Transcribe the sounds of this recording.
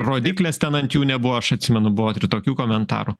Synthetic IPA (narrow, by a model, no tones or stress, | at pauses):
roːd̪ʲiːklʲest̪ʲɛnɐnt̪juːnʲɛbʊʋoɐʃɐt̪ʲsʲɪmʲɛnʊbʊʋoːt̪ʲɪɾɪt̪oːkʲuːkoːmʲɛnt̪ɑ̰ːɾu